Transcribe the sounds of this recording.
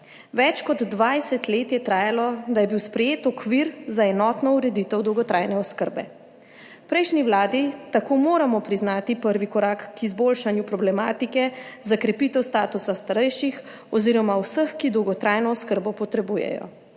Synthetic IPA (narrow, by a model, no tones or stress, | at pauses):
ʋɛt͡ʃkɔd̪ːʋajsɛt̪leːt̪jɛt̪ɾaːjalɔd̪ajɛbiwspɾɛjeːt̪ɔkʋiɾzaɛnɔːt̪nɔuɾɛd̪it̪ɛwd̪ɔwɡɔt̪ɾʔajnɛɔskəɾbɛ̰ | pɾɛjʃniwlaːd̪it̪akoːmoːɾamɔpɾiznaːt̪ipəɾʋikɔɾakkizboːlʃanjupɾɔblɛmaːt̪ikɛzakɾɛpit̪ɛwst̪aːt̪usast̪aɾɛjʃix | ɔziɾɔmawsəxkid̪ɔwɡɔt̪ɾajnɔːskəɾbɔpɔt̪ɾɛbuːjɛ̰jɔ̰